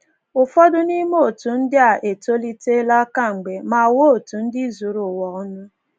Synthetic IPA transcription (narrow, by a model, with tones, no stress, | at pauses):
ʊ˨fɔ˦dʊ˦ni˦mo˦˨tu˨n̩˦dɪ˦a˨ʔe˨to˦li˦te˦la˦ka˦˨ŋ͡m̩˨ɡ͡be˨ma˨wo˦˨tu˨n̩˦dɪ˦zu˨ɾʊ˨wɔ˨ɔ˦nʊ˦